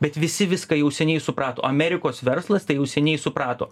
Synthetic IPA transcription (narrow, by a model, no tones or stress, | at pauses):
bʲɛt̪ʋʲɪsʲɪʋʲɪskɐjɛʊsʲɛnʲɛɪsʊpɾɑːt̪o̰ːɐmʲɛɾʲɪkoːsʋʲɛɾslˠɐst̪ɐɪjɛʊsʲɛnʲɛɪsʊpɾɑːt̪o̰ː